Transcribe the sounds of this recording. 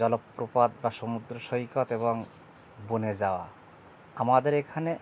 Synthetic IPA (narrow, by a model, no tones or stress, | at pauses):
d͡ʒɔlɔpːɾupad̪̚basɔmud̪ɾɔsɔɦikɔt̪ebɔŋ | buned͡ʒawa̰ | amad̪eɾekʰane